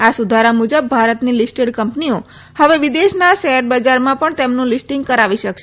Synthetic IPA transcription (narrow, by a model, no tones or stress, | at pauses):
asud̪ʱaɾamud͡ʒəbːʱaɾət̪nilisʈeɖkəmpnio | həʋeʋid̪eʃnaʃeəʈ̚bəd͡ʒaɾmãpəɳt̪emnũlisʈĩŋɡ̚kəɾaʋiʃəkʃe